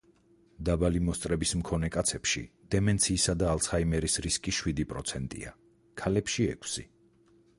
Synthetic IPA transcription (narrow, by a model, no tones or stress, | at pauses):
d̪abalimɔst̪ʼɾɛbismkʰɔnɛkʼat̪sʰɛpʃḭd̪̥ɛmɛnt̪sʰiːsad̪aːlˠsʰaimɛɾisɾiskʼiʃwid̪ipʼɾɔt̪sʰɛnt̪ʼḭa̰ | kʰalɛpʃiɛ̰kʰsḭ